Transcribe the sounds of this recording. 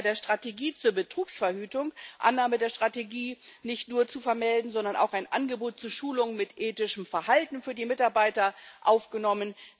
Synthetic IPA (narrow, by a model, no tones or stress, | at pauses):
deːɐʃtʁ̥ateɡiːt͡suːɐbətʁ̥uːksfɛɐhyːtʊŋʔa̰nːaːmədeːɐʃtʁ̥ateɡiːnɪçtnuːɐt͡sufɛɐmɛldn̩zɔndɐna̰ʊxaɪnʔa̰nɡəboːt̚t͡suːɐʃuːlʊŋmɪtʔeːtɪʃəmfɛɐhaltn̩fyːɐdiːmɪtaɐbaɪtɐʔaʊfɡ̥ənɔmən